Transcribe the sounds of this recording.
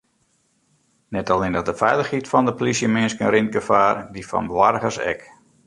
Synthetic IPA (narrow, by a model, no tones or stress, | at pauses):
nɛtalmɪndəxdəfɛjlˠəxhitfɔndəpolisjəmɪnskənɾɪnt̚ɡəfaːrdifɔ̰nbwarɣərsɛ̰k